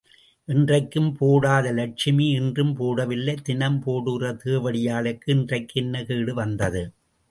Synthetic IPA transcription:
ʔɪndrɐɪkːɯmpoːɽaːðɐlɐʈ̚t͡ʃɪmiɪndrɯmpoːɽɐʋɪlːɐɪt̪ɪnɐmpoːɽɯɣrɐt̪eːʋɐɽɪjaːlɐkːɯɪndrɐɪkːɯɛnːɐkeːɽɯʋɐnd̪ɐðɯ

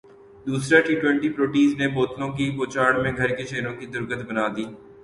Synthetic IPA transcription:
d̪uːsɾaʈiːʈwɛ̃ːɳʈipɾoːʈiːzneboːt̪lõkipoːt͡ʃaːɽmẽɡʱɐɾkeʃeːɾõkid̪ʊɾɡət̪bɐnaːd̪iː

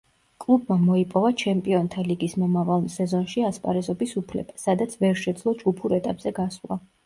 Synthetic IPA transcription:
kʼlˠubmamɔipʼɔvat͡ʃʰɛmpʼiɔnt̪ʰaliɡismɔmavalˠsɛzɔnʃiaspʼa̰ɾɛzɔbisupʰlɛ̰basad̪at̪sʰvɛɾʃɛd̪zlˠɔd͡ʒɡupʰuɾɛt̪ʼapʼz̥ɛɡasla̰

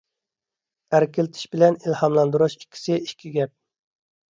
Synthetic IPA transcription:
æɾkʲʰɪlɪt̪ʰɪ̥ʃbɪlɛnilhɑmlˠɑnd̪uɾuʃi̥kʲʰːi̥sɪikʲʰiɡʲɛp̚

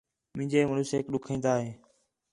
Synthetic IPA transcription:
mɪ̃ɪɲd͡ʒeːmənuːseːkɗʊkʰĩːnd̪aːɦeː

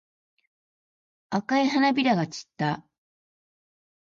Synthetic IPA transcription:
akaiɦanabʲiɾaɡat͡ɕi̥t̪ːa

